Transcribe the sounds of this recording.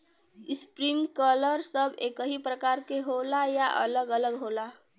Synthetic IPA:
ispɾiŋkələɾsəbʱekəɦipɾəkaɾkeɦolajaʔə̰ləɡələɡɦola

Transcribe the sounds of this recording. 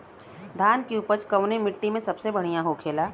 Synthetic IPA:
d̪ʱaːnkiuːpət͡ʃkɐʋnemɪʈːimẽsɐbsebɐɽ̤ijãɦokʰeːlaː

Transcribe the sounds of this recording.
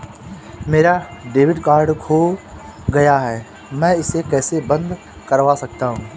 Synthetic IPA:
meːɾaɖeːʋɪɖkaːɾɖkʰoːɡɐjaɦɛː | mɛ̃ɪsekɛːsebɐ̃nd̪ | kɐɾʋasɐk̚t̪aɦũː

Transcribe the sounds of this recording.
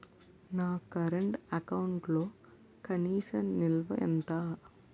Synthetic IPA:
naːkɐɾɐɳʈɐkɐwuɳʈloː | kɐniːsɐmnilʋɐ̰ʔɛ̰nt̪aː

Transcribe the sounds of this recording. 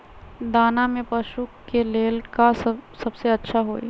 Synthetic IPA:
d̪aːnamẽpɐʃukːeleːlkassɐbseɐtːʃʰaɦoːḭ

